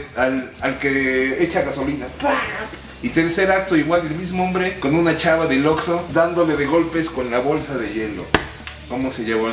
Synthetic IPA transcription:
alalkeet͡ʃaɣaso̞linapa | it̪eɾseɾak̚t̪oiɣwalelmizmoombɾeko̞nunat͡ʃaβaðeloksod̪and̪o̞leðeɣo̞lpeskonlaβo̞lsaðe̞ʝelo̰ | komose̞ʝeβo

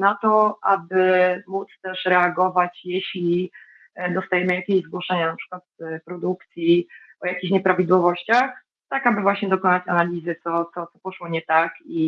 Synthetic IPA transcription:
nat̪ɔabɘmut̪st̪ɛʂɾɛaɡɔvat͡ɕjɛɕlʲi | d̪ɔst̪ajɛmɘjakʲeʑzɡwɔʂɛɲanapʂɘ̥kwat̪pɾɔd̪ukt̪sʲji | ɔjakʲiɕɲɛpɾavʲid̪wɔvɔɕt͡ɕax | t̪akabɘvwaɕɲɛd̪ɔkɔnat͡ɕanalʲizɘt̪sɔt̪sɔt̪sɔpɔʂwɔɲɛt̪aki

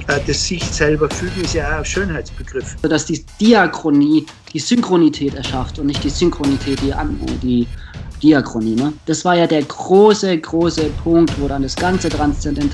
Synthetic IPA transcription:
d̥ɛsz̥ɪçsɛlbɐfytɪsjaːʃøːnhaɪtsb̥əɡ̥ʁɪfodasd̥iːd̥iakʁ̥oniː | d̥iːzʏŋkʁ̥onitʰɛːtɛɐʃaftʊntnɪçtd̥iːzʏŋkʁ̥onitʰɛːt̚d̥iːʔa̰nɛ̰d̥iːd̥iakʁ̥oniːnəd̥asv̥aːɐjaːdeːɐɡʁoːsəɡʁoːsəpʰʊŋk̚tv̥oːɾandasɡ̥ant͡sətʁanst͡sɛndɛnt

